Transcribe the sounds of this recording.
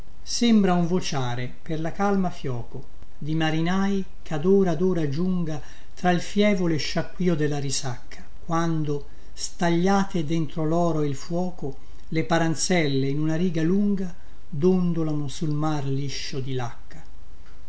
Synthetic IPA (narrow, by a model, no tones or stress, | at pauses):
sembɾauɱvot͡ʃaːɾeperlakalmafjɔːko | d̪imaɾinaːj | kʰad̪oːɾaːd̪oːɾad͡ʒuŋɡa | t̪ɾailfjɛːvoleʃːakːwiːod̪elːaɾisakʰːḁkwand̪o | st̪aʎːaːt̪ed̪ent̪ɾolɔːɾoeilfwɔːko | lepaɾant̪sɛlːeinunaɾiːɡaluŋɡa | d̪ond̪olanosulmarliʃːod̪ilakːa